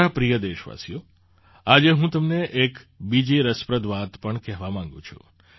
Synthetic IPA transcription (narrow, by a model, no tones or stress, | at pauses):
apɾijəd̪eʃʋa̰sjo | ad͡ʒeɦũt̪əmneʔekbid͡ʒiɾəspɾəd̪ʋat̪pəɳkɛɦʋamãŋɡṵ̃t͡ʃʰṵ̃